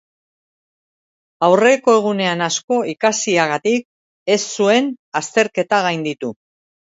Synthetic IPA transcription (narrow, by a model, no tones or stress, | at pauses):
awre̞ko̞e̞ɣ̞une̞anasko̞ikasiaɣat̪ik̚ | e̞sːue̞nast̪e̞ɾke̞t̪aɣ̞ajnd̪it̪u